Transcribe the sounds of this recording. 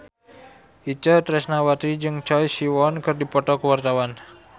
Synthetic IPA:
ʔit͡ʃət̪ɾɛsnawat̪ɾid͡ʒɨŋt͡ʃɔjsiwɔnkɨrdipɔt̪ɔkəwart̪awan

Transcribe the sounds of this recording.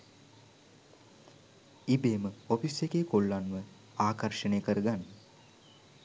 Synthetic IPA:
ibeːməopisjekeːkolːanʋə | aːkərʃənejəkəɾəɡanː

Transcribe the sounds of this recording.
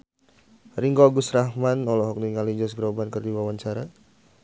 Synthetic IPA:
ɾiŋɡɔɡusɾahmanɔlɔɦɔk̚niŋalid͡ʒɔsɡɾɔbankərdiwawaɲt͡ʃaɾa

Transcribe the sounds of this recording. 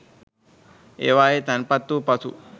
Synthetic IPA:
ḛːʋaːjet̪ɐnpɐt̪ːupɐsṵ

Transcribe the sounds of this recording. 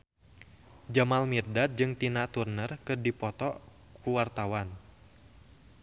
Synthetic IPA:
d͡ʒamalmirdat̪̚d͡ʒɨŋt̪inat̪urnərkɨrdipɔt̪ɔ | kuwart̪awan

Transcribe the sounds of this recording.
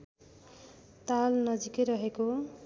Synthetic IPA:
t̪alnʌd͡zikʌjɾʌɦeko

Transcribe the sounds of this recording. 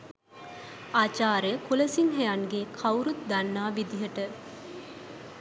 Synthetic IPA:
aːt͡ʃaːɾəjəkulɐsiŋɦɛjaŋɡekʰɐwɾut̪̚d̪ɐnːaːʋid̪iɦɐʈə

